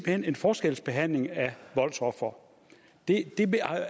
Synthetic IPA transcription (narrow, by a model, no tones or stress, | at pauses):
b̥hen̰e̝nfɒːsɡ̥el̰sb̥e̝ɦæn̰le̝ŋæʋɒ̽lsʰɒfɒ | d̥e̝d̥e̝ʋ